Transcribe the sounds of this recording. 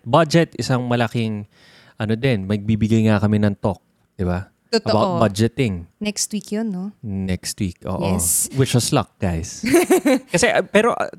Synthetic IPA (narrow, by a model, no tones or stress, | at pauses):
bad͡ʒɛt̪ɪsɐŋmɐlɐkɪŋ | ʔɐnod̪ɪnmɐɡ̚bibɪɡajŋakɐmɛnɐŋt̪ok̚ | d̪̥ɪba | ʔt̪ot̪ɐbawt̪̚bad͡ʒɛt̪ɪŋnɛkst̪wikjonːonɛkst̪wik̚ʔo̰ːʔʔoswɪt͡ʃwɐslɐk̚ɡ̥ajs | kɐsɛʔɐpɛːɾo̞ʔ